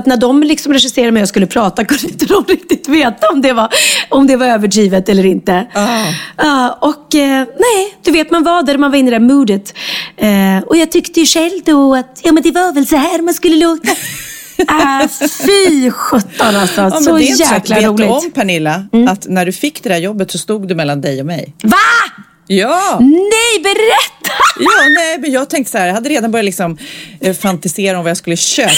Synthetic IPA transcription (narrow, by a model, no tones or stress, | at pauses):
t̪næɖɔmlɪksɔmɾɛʂɪseːɾaɾmɛjɑɡskɵlːəpʰɾɑːt̪akʰɵɾɪnt̪əd̪ɔmɾɪk̚t̪ɪt̪veːt̪aɔmd̪ɛvaɾɔmd̪ɛvaɾøːvəʈʰiːvət̪ɛlːəɾɪnt̪ə | ɑːɔkːnɛɪd̪̥ɵveːt̪manvɑːd̪æɾmanvaɾɪnːɪd̪ɛæːɾmuːd̪ət̪ː | ɔjɑːɡt̪ʰʏkt̪əjɵʂɛlːd̪ɔat̪jɑːmɛnd̪ɛvavɛlsɔhæːɾmanskɵlːəloːt̪a | fyːɧœt̪ːɔnast̪ɑnsmːsɔdɛɔæːk̪laːɾuːlɪɔmmːpʰæɳɪlːaat̪næɖɵfɪkːd̪ɛd̪æɾjɔbːət̪sɔst̪uːɡd̪ɵmɛlːand̪ɛjɔmɛ̰jva | jɑːnɛjbɛɾɛt̪ːajɑːnɛɪmɛnjɑːɡ̚t̪ʰɛŋkt̪əsahæɾjɑhad̪ːəɾeːd̪anbœɾjalɪksɔmfant̪ɪseːɾaɔmvajaskɵlːəɕøː